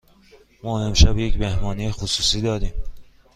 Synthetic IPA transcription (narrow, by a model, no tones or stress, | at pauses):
mɒːemʃæbjecmehmɒːnijexosuːsiːd̪ɒːd̪iːm